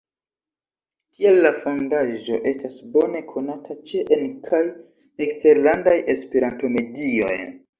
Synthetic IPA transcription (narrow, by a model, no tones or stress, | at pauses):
kʰielːafo̞ndaʒo̞̰ʔe̞stasbo̞ne̞kʰo̞natʰat͡ʃeʔenkʰaj | ekste̞ɾlandaje̞speɾanto̞me̞dio̞̰j